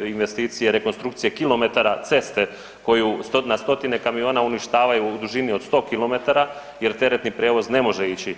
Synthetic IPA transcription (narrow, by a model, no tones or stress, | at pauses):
inʋe̞st̪iːt̪sijeɾe̞ko̞nst̪ɾukt̪sijekilo̞me̞t̪aɾat̪se̞st̪e̞ | ko̞just̪otnast̪o̞t̪ine̞kamio̞ːnauniʃt̪aːʋajuːd̪uʒinio̞d̪st̪o̞ːkilˠo̞me̞t̪aɾa | je̞ɾt̪e̞ɾe̞t̪nipɾe̞ːʋo̞zne̞mo̞ʒeit͡ɕi